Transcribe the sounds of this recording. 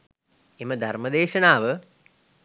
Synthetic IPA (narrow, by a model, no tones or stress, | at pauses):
eməd̪ʱarməd̪eːʃɐnaːʋə